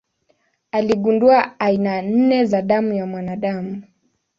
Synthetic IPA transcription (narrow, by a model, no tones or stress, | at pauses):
aliɠunduaainan̩nɛzaɗamujamwanaɗamu